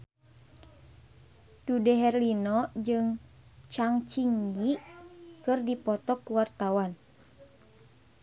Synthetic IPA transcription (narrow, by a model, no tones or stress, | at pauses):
dudɛɦɛrlinɔd͡ʒɨŋ | t͡ʃaŋt͡ʃiŋɡikɨrdipɔt̪ɔkuwart̪awan